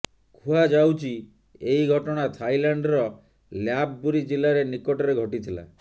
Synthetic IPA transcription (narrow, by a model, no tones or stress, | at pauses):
kʰuad͡ʒawt͡ʃʰi | eiɡʱɔʈɔɽ̃at̪ʰajlaɳɖɾɔ | ljabbuɾid͡ʒilaɾenikɔʈɔɾeɡʱɔʈit̪ʰila̰